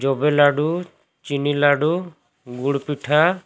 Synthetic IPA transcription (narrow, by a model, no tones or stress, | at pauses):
d͡ʒɔbɛlaɖu | t͡ʃinilaɖu | ɡuɽpiʈʰa